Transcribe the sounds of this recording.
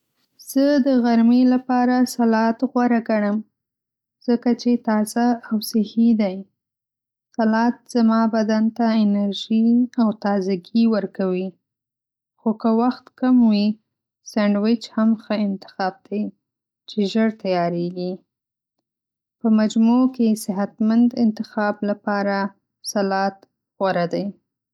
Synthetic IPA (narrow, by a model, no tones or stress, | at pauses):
z̥əd̪əɣaɾmilapɑɾasalɑt̪ɣwaɾaɡaɽəm | z̥əkat͡ʃet̪ɑzaawsɪhid̪aj | salɑt̪̚z̥amɑbad̪ant̪aɪnaɾʒiawt̪ɑzaɡiwəɾkawi | xokəwaxt̪kamwi | saɳɖwɪt͡ʃhamxəɪnt̪ɪ̥xɑb̚d̪̥aj | t͡ʃeʒəɾt̪ajɑɾeɡi | pəmad͡ʒmukesɪɦat̪mand̪ɪnt̪ɪxɑblapɑɾa | salɑt̪ | ɣwaɾad̪aj